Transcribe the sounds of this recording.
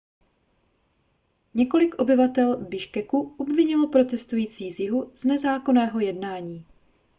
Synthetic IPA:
ɲɛko̞lɪkʔo̞bɪvat̪ɛlbɪʃkɛkuʔobvɪɲɪlo̞pɾo̞t̪ɛst̪ujiːt͡siːzjɪɦuz̥nɛzaːko̞nɛːɦo̞jɛdnaːɲiː

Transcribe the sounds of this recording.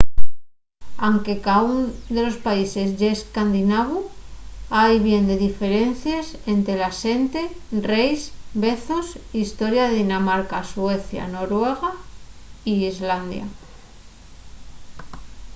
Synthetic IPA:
aŋke̞kaund̪e̞lo̞spaise̞zʝeskand̪inaβ̞u | ajβje̞nd̪eðife̞ɾe̞nθjase̞nt̪ɾe̞lase̞nt̪e̞rejsbe̞θo̞sist̪o̞ɾjaðeðinamaɾkaswe̞θja̰no̞ɾwe̞ɣ̞a | iizland̪ja̰

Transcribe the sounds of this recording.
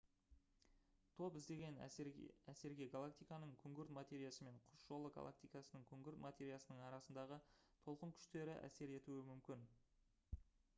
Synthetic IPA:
t̪ʰo̞pɪzd̪e̞ɡʲe̞næse̞ɾɡʲe̞ɡalˠak̚t̪ijkɑnəɴkʲʰʏŋɡʲɪɾt̪mat̪ʲe̞ɾijasəme̞ɴqʰʊ̥sʒ̥o̞lˠəɡa̰lˠa̰k̚t̪ijkɑsənəŋkʲʰʏŋɡʲɪɾt̪mat̪ʲe̞ɾijasənəɴɑɾɑsənd̪ɑʁət̪ʰo̞lˠqəŋkʲʰʏ̥ʃt̪e̞ɾɪʔæ̰se̞ɾe̞t̪uɪmʏmkʲɪn

